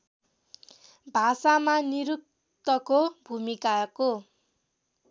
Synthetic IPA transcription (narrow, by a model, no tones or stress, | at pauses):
bʱasamaniɾuk̚ | t̪ʌkobʱumikako